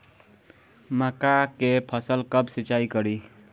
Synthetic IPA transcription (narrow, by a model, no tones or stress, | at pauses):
məkakepʰəsəlkəbsit͡ʃaikəɾi